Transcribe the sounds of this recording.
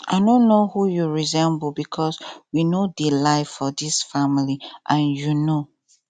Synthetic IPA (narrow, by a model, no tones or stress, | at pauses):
ʔa̰ɪnõnːohujuɹizɛ̃mbbikʰɔswinodilaɪfɔdisfamiliʔãnjuno